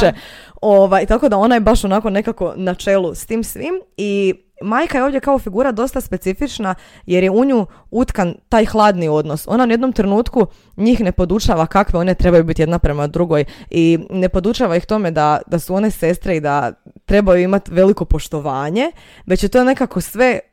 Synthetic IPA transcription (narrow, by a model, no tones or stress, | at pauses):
eoʋajt̪ako̞d̪ao̞najebaʃo̞nako̞ne̞kako̞nat͡ʃe̞lˠust̪iːmsʋimi | maːjkajeoʋdjekao̞fiɡuːɾad̪o̞st̪aspe̞t̪sifit͡ʃna | je̞ɾjeuɲu | ut̪kant̪aːjxlˠaːd̪nio̞d̪no̞so̞̰nauje̞d̪no̞mt̪ɾenuːt̪ku | ɲiːxne̞po̞d̪ut͡ʃaʋakakʋeo̞ne̞t̪ɾe̞bajubit̪je̞d̪napɾe̞mad̪ɾuɡo̞jine̞po̞d̪ut͡ʃaːʋajixt̪o̞me̞d̪ad̪̥asuo̞ne̞se̞st̪ɾeid̪at̪ɾe̞bajuimat̪ʋe̞liko̞po̞ʃt̪o̞ʋaːɲe̞ | ʋe̞t͡ɕjet̪o̞ːne̞kako̞sʋe̞